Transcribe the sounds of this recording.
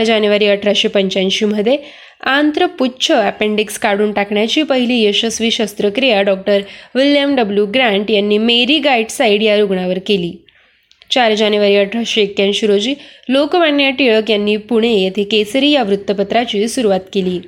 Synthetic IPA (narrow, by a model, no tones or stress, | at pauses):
d͡ʑanjuʋaɾiːəʈʰɾaɕipəɲt͡ɕanɕiːm̤əd̪ʱːje | ant̪ɾəpuːt͡ɕʰəæpeɳɖikskaɽuːnʈakɳjat͡ɕiːpəɦiliːjeɕəsʋiːɕəst̪ɾəkɾijaɖɔk̚ʈəɾʋiljəmɖəbljuɡɾãɳʈjanːiːmeɾiːɡaiɖsaiɽijaɾuɡɳaʋəɾkeliː | t͡ɕaɾd͡ʑanjuʋaɾiːəʈʰɾaɕiekjãnɕuɾod͡ʑiːlokʋaɳːjaʈ̪iɭəkjanːiːpuɽ̃ejet̪ʰekesəɾiːjaʋɾut̪ːəpət̪ɾat͡ɕiːsuɾuʋat̪keliː